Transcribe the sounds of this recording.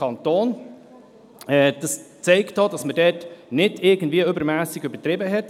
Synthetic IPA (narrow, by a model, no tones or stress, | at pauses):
ɑntoːn | ɛd̥ɑst͡sɛɪktːoːdɑsmədɛtnɪdɪɾɡən̩dviːəʏbəɾmæːsɪɡybəɾtɾɪbəɦɛt